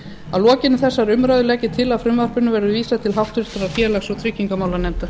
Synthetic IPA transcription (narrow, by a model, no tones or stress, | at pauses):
aðlɔːcɪnʏθɛsːaɾʏmɾajðʏlɛːcɪt̪ʰɪlaðfɾʏmvœr̥pʏnʏvɛɾðʏviːsaðt̪ʰɪlɦawft̪vʏɾ̥t̪aɾḁfjɛːɾlɛxsɔɣt̪ʰɾɪcːiŋkamaːwlanɛmt̪a